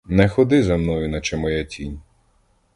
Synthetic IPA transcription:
nɛxɔd̪ɪzɐmnɔjʊnɐt͡ʃɛmɔjɛtʲʰinʲ

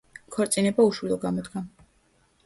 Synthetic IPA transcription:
kʰɔɾt̪sʼinɛbauʃilˠɔɡamɔd̪ɡa

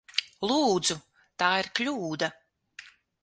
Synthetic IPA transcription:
lˠuːd̪zu | t̪aːiɾklʲuːd̪a

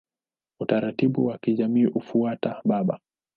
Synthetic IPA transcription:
utaɾatiɓuwakiʄamiːʔufuataɓaɓa̰

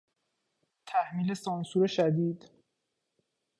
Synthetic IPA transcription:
t̪ʰæhmiːlesɒːnsuːɾeʃæd̪iːd̪̥

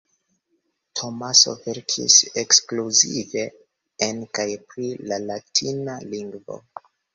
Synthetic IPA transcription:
tʰo̞maso̞̰ve̞ɾkʰḭsekskluzive̞ | enkajpɾilalatʰinaliŋɡvo̞̰

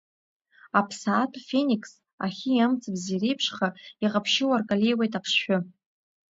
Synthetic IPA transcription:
apʰsaːtʰʼfe̞nʲikʰʼs | a̰χʲɪjamt͡sʼɨbzirejpʰʂχaiqapʰʃɪwarkʼale̞jwejtʼapʰʂʃᶣʊ

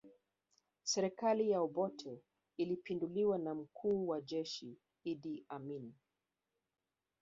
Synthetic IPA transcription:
sɛɾɛkalijaɔbɔtʰɛ | ilipinduliwanam̩kʰuːwad͡ʒɛʃi | idiamin

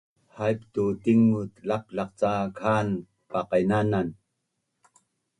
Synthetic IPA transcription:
hajp̚t̪ut̪iŋut̪lak̚laq̚t͡sakʰan | paqajnanan

